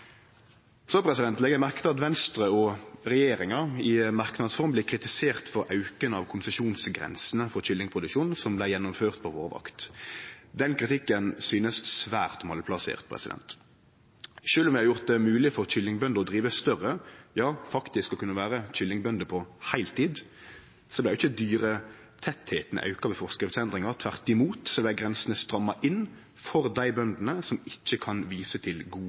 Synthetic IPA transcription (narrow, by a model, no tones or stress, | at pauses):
sɔpʰʁɛsɪd̪ɛnt̪lɛːɡəmæʁkt̪əɑt̪ʋɛnst̪ʁəɔʁɛjeːɾɪŋɑɪmɑʁknɑd̪sfɔʁmblɛkʰɾɪt̪ɪseːʁt̪fɔɾʔɑʉkənəɑʋkʰʊnsəʃuːnsɡʁɛ̰nsənəfɔʁçʏlːɪŋpʰʁʊd̪ʉkʃuːn̩sɔmblæɪjɛnːʊmføːʁt̪̚pʰɔʋoːʁʋɑ̰kt̪ | d̪ɛnkʰɾɪt̪ɪkːənsyːnəssʋæ̰ːʁt̪mɑlpʰlɑsḛːʁt̪̚pʰʁɛ̰sɪd̪ɛ̰nt̪ | ʃøːlɔmʋjæɪhɑɾjʊʁt̪̚d̪ɛmʉːlɪfɔʁc͡çʏlːɪŋbœnd̪əɔd̪ʁiːʋəst̪œʁəjɑːfɑkt̪ɪskɔkʰʉnːɑʋæːʁəc͡çʏlːɪŋbœnd̪əpʰɔhæɪlt̪ʰiːd̪ | sɔblæɪjʊɪçːəd̪yːʁə | t̪ʰɛt̪heːt̪ənə̰ʔɑ̰ʉkɑʋɛfɔʁskɾɪft̪sɛnd̪ʁɪŋɑʁt̪ʰʋæʁt̪ɪmuːt̪sɔblæɡʁɛnsənəst̪ɾɑmːɑʔɪn | fɔʁd̪æɪbœnd̪n̩əsɔmɪc͡çːəkʰɑnʋiːsət̪ʰɪlɡuː